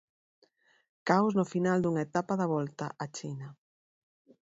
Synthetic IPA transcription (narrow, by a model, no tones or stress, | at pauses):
kawznofinald̪uŋaet̪apaðɐβɔlt̪aʔat͡ʃinɐ